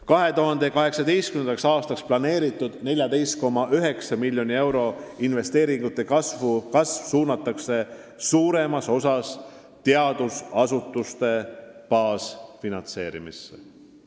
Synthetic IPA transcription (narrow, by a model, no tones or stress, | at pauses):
kɑɦe̞t̪uɦɑnd̪e̞kɑɦe̞ksɑd̪ejst̪kynend̪ɑksɑːst̪ɑksplɑne̞ːɾit̪ˑːud̪̥ne̞lʲjɑd̪e̞jst̪̚ko̞mːɑʔyɦe̞ksɑmilʲjo̞nie̞wɾo̞inve̞st̪e̞ːɾiŋɡut̪ːˑe̞kɑsvukɑsv̥suːnɑt̪ːˑɑkse̞ | suːɾe̞mɑso̞sɑs | t̪eɑd̪̥usɑsut̪ˑːust̪e̞pɑːsfinɑnt̪se̞ːɾimisːe̥̰